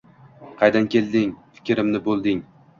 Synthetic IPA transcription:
qʰɑjd̪ankʲʰe̞lˠd̪ɪŋfɪ̥kʲɾɪmnɪbolˠd̪ɪŋ

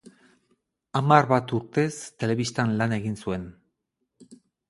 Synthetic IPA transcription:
amarβat̪uɾt̪e̞st̪e̞le̞βist̪anlane̞ɣinsue̞n

